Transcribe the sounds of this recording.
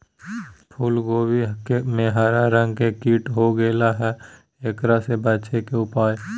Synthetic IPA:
pʰulɡoːwikemẽɦaːɾaɾə̃ŋɡkekiːʈɦoɡeːlaɦɛ | ekɾasebətːt͡ʃʰekeʊpaːj

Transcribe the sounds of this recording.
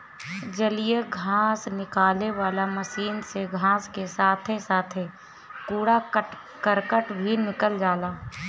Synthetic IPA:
d͡ʒəlijeɡʱaːsnɪkaːleʋaːlaməʃiːnseɡʱãːskesaːt̪ʰesaːt̪ʰe | kuːɽa | kəɾkəʈbʱinɪkəld͡ʒaːlaː

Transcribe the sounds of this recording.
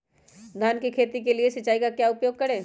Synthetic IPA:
d̪ʱaːnkikʰeːt̪ik̬elieʃɐt͡ʃːaːikakjaːʊpjoːɡ̚kɐɾẽː

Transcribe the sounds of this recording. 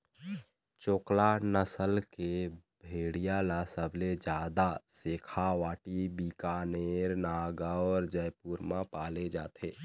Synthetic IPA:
t͡ʃoːklanəsəlkebʱeːɽijalasəbʱled͡ʒaːd̪aseːkʰaʋaːʈibiːkaːneːɾnaːɡaɔːɾd͡ʒəjpuːɾmãpaːled͡ʒa̰ːt̪ʰeː

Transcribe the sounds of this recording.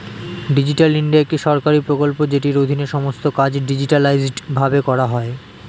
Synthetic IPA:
ɖid͡ʑiʈaliɳɖiaek̚ʈiʃɔɾkaɾipɾokolpod͡ʑeʈiɾod̪ʱineʃɔmost̪okad͡ʑɖid͡ʑiʈalajzɖbʱabekɔɾaɦɔe

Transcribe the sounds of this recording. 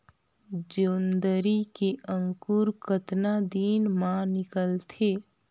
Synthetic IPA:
d͡ʒoːnd̪əɾikeʔə̃ŋkuɾkət̪nad̪iːnmãnɪkəlt̪ʰe

